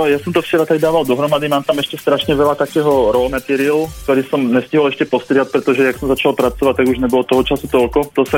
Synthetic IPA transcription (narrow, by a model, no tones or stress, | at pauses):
jasɔmt̪ɔft͡ʃɛɾat̪aɡd̪aːʋald̪ɔɦɾɔmad̪imaːmt̪amɛʃcɛst̪ɾaʃɲɛʋɛlat̪akɛːɦɔɾɔlmɛt̪iɾilkt̪ɔɾiːsɔmɲɛsciɦɔlɛʃcɛpɔst̪ɾɪat̪̚pɾɛt̪ɔʒɛjaksɔmzat͡ʃalpɾat͡sɔʋac̚t̪ːaɡuʒɲɛbɔlɔt̪ɔɦɔt͡ʃasut̪ɔlkɔt̪ɔsa